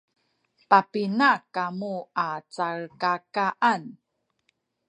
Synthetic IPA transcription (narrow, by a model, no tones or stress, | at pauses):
papinakamuat͡saɭkakaʔan